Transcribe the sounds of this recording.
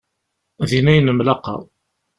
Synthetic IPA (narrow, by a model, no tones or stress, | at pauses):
ðinæjənəmlɑqɑ̰